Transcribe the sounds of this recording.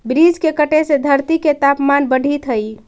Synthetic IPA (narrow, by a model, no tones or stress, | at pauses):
bɾid͡ʒkekəʈesed̪ʱəɾt̪iket̪apmanbəɖ̤ʱit̪ɦəj